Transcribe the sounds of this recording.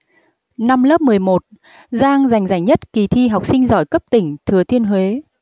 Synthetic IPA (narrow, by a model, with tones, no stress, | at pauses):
na˧mləː˦˥p̚mɨ˨˩əjmo˨˩t̚ | zaː˧ŋza˨˩jŋza˨˧˩jŋ̟ɲə˦˥t̚ki˨˩t̪ʰi˧ɦa˨˩wk͡p̚sï˧ŋ̟zɔ̰˧˩jkə˦˥p̚t̪ï˧˩ŋ̟t̪ʰɨ˨˩ət̪ʰi˧ənɦwe˨˦